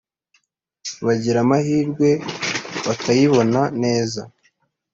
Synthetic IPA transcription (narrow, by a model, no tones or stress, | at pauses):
βaɟiɾamahiːɾɡwe̞βatʰajiβo̞nane̞ːza